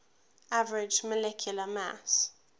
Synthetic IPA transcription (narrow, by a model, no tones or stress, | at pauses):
avəɹɪd͡ʒməlɛkʰjuləma̰s